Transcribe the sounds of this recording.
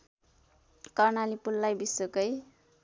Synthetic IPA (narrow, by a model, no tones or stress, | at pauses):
kʌrnalipulːajbisokʌj